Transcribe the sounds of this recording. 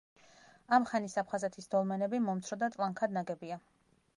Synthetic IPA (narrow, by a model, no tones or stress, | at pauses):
amχanisapʰχazɛt̪ʰisd̪ɔlˠmɛnɛbimɔmt̪sʰɾɔd̪at̪ʼlˠaŋkʰad̪naɡɛbia